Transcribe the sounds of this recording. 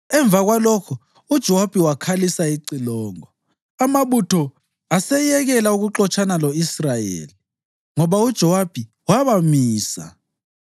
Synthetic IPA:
ɛɱb̪vʱaɣwalɔkʰɔ | ud̥ʒ̥ʱɔwab̥ʱiwakʰalisaiǀilɔːŋɔ | amaβutʰɔ | asɛjɛɣɛlauɣuǁɔt͡ʃʰanalɔisrajḛːli | ŋɔβaud̥ʒ̥ʱɔwab̥ʱi | waβamiːsa̰

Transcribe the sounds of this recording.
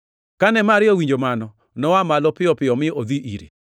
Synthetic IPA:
kanɛmaɾɪɔwiɲd͡ʒomanɔ | nɔwamalɔpɪɔpɪɔmɪod̪iʔiɾḭ

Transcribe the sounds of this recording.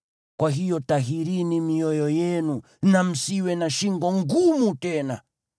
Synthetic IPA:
kwaɦijɔtaɦiɾinimiɔjɔjɛnu | nam̩siwɛnaʃiŋɡɔŋɡumutɛna

